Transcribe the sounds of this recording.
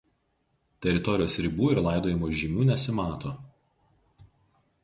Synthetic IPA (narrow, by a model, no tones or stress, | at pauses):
t̪ʲɛɾʲɪt̪ɔɾʲɪjoːsɾʲɪbuːɪɾlˠɑˑɪd̪oːjɪmoːʒʲɪmʲuːnʲɛsʲɪmɑːt̪oː